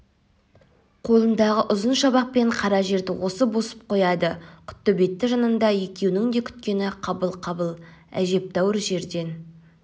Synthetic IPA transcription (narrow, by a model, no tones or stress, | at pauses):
qʰo̞lˠənd̪ɑʁəʔʊzənʃɑbɑq̚pe̞ɴqʰɑɾɑʒe̞ɾd̪ɪwo̞səbo̞sə̥p̚qʰo̞jɑd̪əkʲʰʏ̥t̪ːəbe̞t̪ːɪʒɑnənd̪ɑje̞kʲe̞wnɪŋd̪e̞kʲʰʏ̥t̪̚kʲe̞nɪqʰɑbəlˠqʰɑbəlˠæ̰ʒe̞p̚t̪ɑwəɾʒe̞ɾd̪e̞n